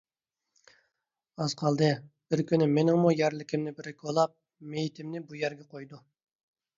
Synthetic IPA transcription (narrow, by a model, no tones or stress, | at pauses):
ɑz̥qʰɑlˠd̪ɨb̥ɪɾkʲynɪmenɪŋmujæɾlɪkʲʰimnɪbɪɾɪkʰʲolˠɑp̚ | mejit̪ʰɪmnɪbujæɾɡʲɛqʰojd̪u